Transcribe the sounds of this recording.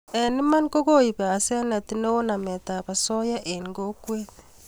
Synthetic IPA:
e˨ni˦ma˦ŋ˦ko˦ɣo˦˨i˨βaː˨sɛ˦na˨ti˦ne˦wo˦na˨mɛ˨ta˨βa˨sɔ˦ja˦ʔe˨ŋ˨ɡo˦kwe˦

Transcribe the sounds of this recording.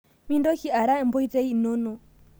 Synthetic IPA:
mi˦ndɔ˦kʰi˨a˨ɾa˦ɛ˨m̩˦bɔ˦i˦t͡sʼe˦i˦˨nɔ˦nɔ˨

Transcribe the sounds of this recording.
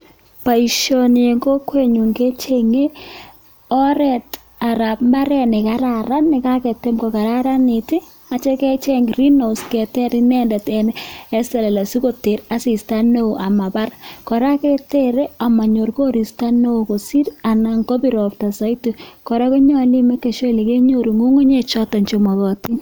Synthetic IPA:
pa˨i˨ʃo˨nɪ˨e˨ŋɡo˦kwe˦ɲu˨ŋɡe˦t͡ʃe˦ŋe˦ | ɔ˦ɾɛ˨t | a˨ɾa˨pmba˦ɾɛ˦nɪ˨ka˨ɾa˨ɾa˦nːɪ˨ka˦kɛ˨te˦mko˨ka˨ɾa˦ɾa˦nɪ˨tɪ˦ | a˨t͡ʃɛ˦kɛ˦t͡ʃɛ˦ŋɾi˦no˨skɛ˨tɛ˦ɾɪ˦nɛ˦ndɛ˨tɛ˨nɛ˦sɛ˨lɛ˨la˨su˦ko˦te˨ɾa˦si˨sta˦no˦˨ʔa˨ma˨ba˦rkɔ˨ɾa˦kɛ˦te˦ɾe˦a˨ma˨ɲo˨ɾko˦ɾi˨sta˦no˦o˨ko˨si˦ɾa˨na˨ŋko˦bi˦ɾɔ˨pta˨sɔ˦i˦tu˨kɔ˨ɾa˦ko˦ɲɔ˦li˦mɛ˦ke˨ʃwɛ˦li˨ke˦ɲo˦ɾu˨ŋu˦ŋo˦ɲe˦t͡ʃɔ˦tɔ˨ɲt͡ʃo˨mɔ˨ɣɔ˨ti˦

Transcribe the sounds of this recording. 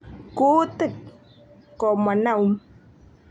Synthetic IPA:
ko˦t̪ɪ˦˨k | kɔ˨ma˨na˦˨u˦m

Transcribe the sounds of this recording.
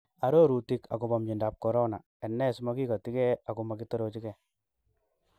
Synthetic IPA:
a˦ɾo˦ɾu˨ti˦ka̰˨ko˨bɔ˨mt͡ʃi˨nda˨p̚kɔ˨ɾo˦na˨ | ɛ˨nːɛ˦sma˦ki˦kɔ˨ti˦kɛ˦a˨ko˨ma˨ki˦to˦ɾo˨t͡ʃi˦kɛ˨

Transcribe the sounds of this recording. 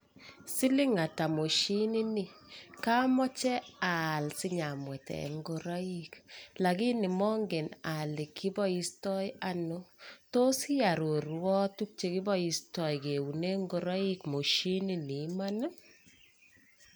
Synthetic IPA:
si˦li˦ŋa˨ta˨mo˨ʃi˦ni˦ni˨ka˦mɔ˦t͡ʃɛ˦a˨lsɪ˦ɲa˨mwɛ˨tɛ̰˨ŋɡo˦ɾɔ˦i˦kla˨ki˦ni˨mɔ˦ŋɡe˨na˨li˨kʰːi˦bɔ˦i˦stɔ˦ja˦no˦to˦si˦a˨ɾo˨ɾwɔ˦tu˦k̚t͡ʃe˦ki˦bɔ˦i˨stɔ˨jke˨wu˨ne˦ŋɡo˨ɾɔ˦i˦kmo˨ʃi˦ni˦ni˨˦ma˦na˦

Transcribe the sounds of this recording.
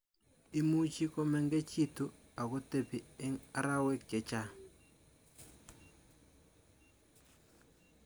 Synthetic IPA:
i˦mu˦t͡ʃi˦ko˦mɛ˦ŋɡe˦t͡ʃi˦tu˨ | a˨ko˦te˨pi˨ɛ˦ŋa˦ɾa˦we˦kːɛ˨t͡ʃa˦

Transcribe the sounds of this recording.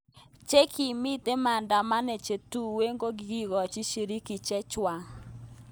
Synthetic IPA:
t͡ʃe˦kʰi˨mi˦te˦ma˨nda˨ma˦ne˨t͡ʃe˨tu˦we˦ŋɡo˦ɡi˨ɡi˦ɡɔ˨t͡ʃi˦ʃi˨ɾi˦ki˨t͡ʃɛ˦t͡ʃwa˨ŋ

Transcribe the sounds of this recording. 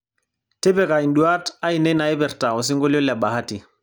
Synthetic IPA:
te˦bɛ˨ka˨i˨ndu˨a˦ta˦i˨nɛ˦na˨ɛ˦bɛ˨ɾta˨ɔ˨s̬i˦ŋɡo˦lo˦la˨ba˨ha˦ti˨

